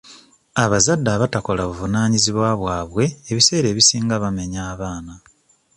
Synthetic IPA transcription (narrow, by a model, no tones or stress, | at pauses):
aβazadːaːβatako̞laβuvunaːɲiziβwaβwaːβwe̞ːβise̞ːɾe̞ːβisiːŋɡaβame̞ɲaːβaːna